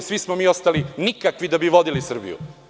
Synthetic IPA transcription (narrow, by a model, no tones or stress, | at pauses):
sʋismomiːost̪alinikakʋid̪abiʋo̞d̪ilisr̩bḭjṵ